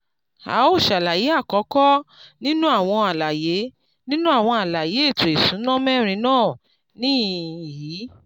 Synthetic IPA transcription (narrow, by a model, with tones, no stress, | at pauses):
a̰˨˦o˦˨ʃa˨la˨ji˨˦a˦˨kɔ˨˦kɔ˦nĩ˦nũ˦a˦˨w̃ɔ̃˧a˨la˨je˨˦ | nĩ˦nũ˦a˦˨w̃ɔ̃˧a˨la˨je˨˦e˦˨to˨e˨sũ˨˦nã˦mɛ˦ɾ̃ĩ˧nãː˦˨ | nĩ˦˨jiː˨˦